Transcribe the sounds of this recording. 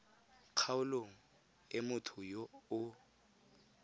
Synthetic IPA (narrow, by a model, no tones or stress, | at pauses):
q͡χʰaʊloŋ̩ | ɪmʊtʰʊjoʊ